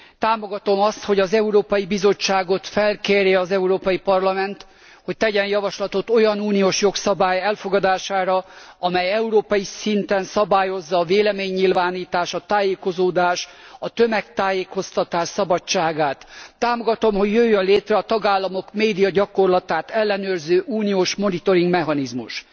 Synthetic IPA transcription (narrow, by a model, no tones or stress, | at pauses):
t̪aːmo̞ɡɒt̪o̞mɒst̪ho̞ɟɒzɛuɾoːpɒjibizo̞t͡ʃːaːɡo̞t̪fɛlkeːrjɛɒzɛuɾoːpɒjipɒrlɒmɛnt̪ | ho̞c̚t̪ɛɟɛnjɒvɒʃlɒt̪o̞t̪o̞jɒnuːnijoːʃjo̞ksɒbaːjɛlfoɡɒd̪aːʃaːɾɒɒmɛjɛuɾoːpɒjisint̪ɛnsɒbaːjo̞zːɒːveːlɛmeːɲːilvaːniːt̪aːʃɒt̪aːjeːko̞zoːd̪aːʃɒt̪ø̞mɛkt̪aːjeːko̞st̪ɒt̪aːʃsɒbɒt͡ʃːaːɡaːt̪ːaːmo̞ɡɒt̪o̞mho̞ɟːøjːønleːt̪rɛɒt̪ɒɡaːlːɒmo̞kmeːd̪ijɒɟɒko̞rlɒt̪aːt̪ɛlːɛnøːrzøːʔuːnijoːʃmo̞nit̪o̞ɾiŋɡmɛɦɒnizmuʃ